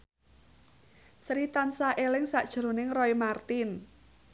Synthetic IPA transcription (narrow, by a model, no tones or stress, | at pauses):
sɾit̪ansaʔelɪŋsa̰ʔd̥ʒ̥ɾo̤nɪŋrɔimart̪ɪn